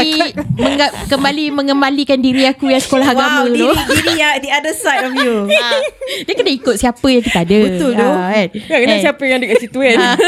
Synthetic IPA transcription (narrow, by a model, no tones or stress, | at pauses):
iməŋakəmbalimə̃ŋəmalikandiɾiakujaŋsə̥kolaɦaɡamə̃lodiɾijad̪iadəsajtɔfju | diəkənaikʊt̪̚siapəjãŋkit̪aadəət̪ʊld̪oɛt̪ŋakənasiapəjãŋdəɡatsit̪uət̪̚